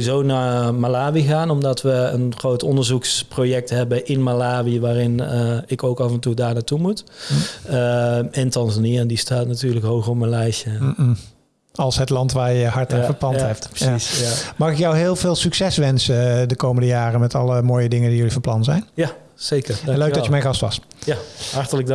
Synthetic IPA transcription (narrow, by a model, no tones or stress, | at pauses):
izownaːmalaːʋiɣaːnɔmdɑtʋəənχrowtɔndəɹzuksprojɛk̚tɦɛbənʔɪnmalaːʋiəʋaːrɪnəɪkowkɑvɛntudaːɹnaːtumut | ɛntɑnzaniəndistaːtnatyːɹləkɦowɣrɔpmənlɛjʃə | ɑlˠsɦətlɑntʋaːɹjəɦɑɹtaːnvəɹplɑnntɦɛp̚tasamɑːχɪkjɔwɦɪːlˠvɪːlˠsyksɛsʋɛnsədəkowməndəjaːrənmɛtɑləmoːjədɪŋəndijɵlivɑplɑnzɛjnja | sejkəɹnløɥkdɑjəmɛjnɣɑstʋɑ̰sjaɦɑɹtələɡ̚d